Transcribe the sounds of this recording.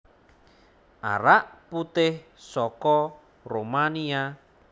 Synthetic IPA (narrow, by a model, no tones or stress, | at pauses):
ʔa̰ɾaʔput̪ɪh | sɔkɔ | romania